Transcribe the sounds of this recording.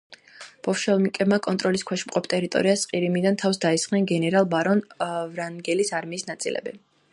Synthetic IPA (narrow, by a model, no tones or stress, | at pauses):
b̥ɔfʃɛlˠmikʼɛbmakʼɔnt̪ʼɾɔliskʰwɛʃmqʼɔpʰt̪ʼɛɾit̪ʼɔ̰ɾiasqʼiɾimid̪ant̪ʰafsd̪aisχʼnɛnɡɛnɛɾalˠbaɾɔnvɾanɡɛlisaɾmiːsnat̪sʼḭlɛ̰bɛ